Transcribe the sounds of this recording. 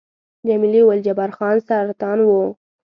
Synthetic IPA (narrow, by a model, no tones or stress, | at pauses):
d͡ʒamiliwald͡ʒabaɾxɑnsaɾat̪ɑnwu